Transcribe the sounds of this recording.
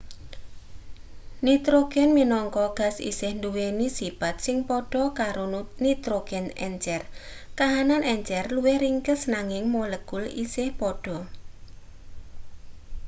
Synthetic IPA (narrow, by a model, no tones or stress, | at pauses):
nit̪ɾoɡ̥ɛnminɔŋkɔɡ̥a̤sḭsɪhnduwenisib̥at̪̚sɪŋpɔɖ̥ɔkaɾonit̪ɾoɡ̥ɛnɛ̰ɲt͡ʃɛr | kaɦananɛɲt͡ʃɛrluwɪhɾiŋkəsnaŋɪŋmoləɡ̥ʊlḭsɪhpɔɖ̥ɔ̤